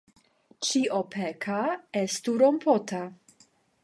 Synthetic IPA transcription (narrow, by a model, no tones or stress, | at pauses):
t͡ʃiʔopʰɛkʰaɛstuɾompʰɔtʰa